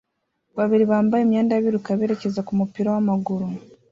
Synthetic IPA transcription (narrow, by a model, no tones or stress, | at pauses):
βaβiɾiβaːmbajemjeːndaβiɾukaβeːɾece̞zakumupiɾawamaɡuɾu